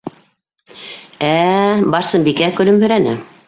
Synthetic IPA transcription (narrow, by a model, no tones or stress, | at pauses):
æbɑɾsɤmbikækɵ̆lɵmhɵ̆ɾænɘ̰